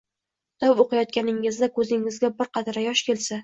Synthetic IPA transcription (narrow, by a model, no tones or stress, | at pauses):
d̪̥awoqʰɨjɒt̪̚kʲanɪŋɪzd̪akʰɵzɪŋɪzɡʲabɪɾqʰɑt̪ʰɾajɒʃkʲʰe̞lsa